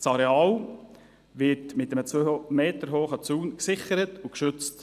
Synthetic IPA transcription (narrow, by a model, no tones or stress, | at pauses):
sɑɾeɑːl | ʋɪtmɪtəmət͡sʋøːmeːtəɾɦoːχət͡suːnksɪχəɾətukʃʏt͡st